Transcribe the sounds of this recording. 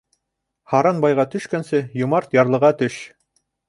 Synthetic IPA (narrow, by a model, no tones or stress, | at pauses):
hɑɾɑnbɑjʁɑt̪ɵ̆ʃkænsɘjŭmɑɾt̪jɑɾlˠɤ̆ʁɑt̪ɵʃ